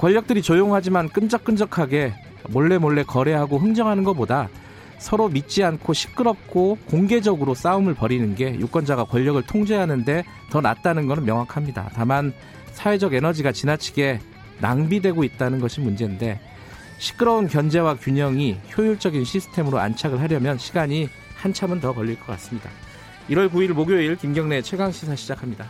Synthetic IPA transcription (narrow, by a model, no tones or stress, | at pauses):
kwʌʎːʌk̚t͈ɯɾit͡ɕojoŋɦad͡ʑimank͈ɯnd͡ʑʌk͈ɯnd͡ʑʌkʰaɡe̞ | mʌɭːe̞moɭːe̞kʌɾe̞ɦaɡoɦɯŋd͡ʑʌŋɦanɯnɡʌpoda | sʰʌɾomit̚t͡ɕ͈iankʰoɕʰi̥k͈ɯɾʌp̚k͈ʰokoŋɡe̞d͡ʑʌɡɯɾos͈aumɯɭpʌɾinɯnɡe̞juk͈ʌnd͡ʑaɡakwʌʎːʌɡɯɭtʰoŋd͡ʑe̞ɦanɯnde̞ | tʌna̰t̚t͈anɯnɡʌnɯnmjʌŋwakʰamɲida̰taman | sʰawe̞d͡ʑʌɡe̞nʌd͡ʑiɡat͡ɕinat͡ɕʰi̥ɡe̞ | na̰ŋbidwe̞ɡoit̚t͈anɯnɡʌɕʰimund͡ʑe̞nde̞ | ɕʰi̥k͈ɯɾʌunkjʌnd͡ʑe̞wakjuɲʌŋiçjojuɭt͡ɕ͈ʌɡinɕʰisʰɯ̥tʰe̞mɯɾoa̰nt͡ɕʰaɡɯɭɦaɾjʌmjʌnɕʰiɡaɲi | hant͡ɕʰamɯntʌkʌʎːiɭk͈ʌk͈a̰s͈ɯmɲida̰ | iɾwʌɭkuiɭmoɡjoiɭkimɡjʌŋne̞t͡ɕʰweɡaŋɕʰisʰaɕʰid͡ʑakʰamɲida